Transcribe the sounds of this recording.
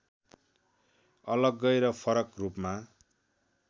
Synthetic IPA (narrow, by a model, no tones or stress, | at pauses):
ʌlʌɡːʌjɾʌpʰʌɾʌkrupma